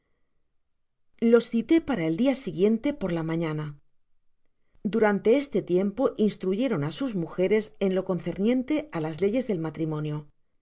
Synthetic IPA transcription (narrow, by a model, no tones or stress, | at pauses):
lo̞sθit̪e̞paɾae̞ld̪iasiɣje̞nt̪e̞po̞ɾlamãɲana | d̪uɾant̪e̞est̪e̞t̪je̞mpo̞ʔinst̪ɾuʝe̞ɾo̞nasuzmuxe̞ɾe̞se̞nlo̞ko̞nθe̞ɾnjẽ̞nt̪e̞ʔalazle̞ʝe̞zðe̞lmat̪ɾimõ̞njo̞